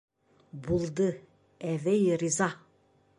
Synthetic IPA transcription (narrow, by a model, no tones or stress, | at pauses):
bulˠd̪ɯ | ɛvɛjɾiza